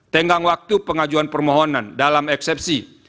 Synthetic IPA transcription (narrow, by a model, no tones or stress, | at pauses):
t̪əŋɡaŋwak̚t̪upəŋad͡ʒuanpərmɔɦɔnandalamɛksɛp̚si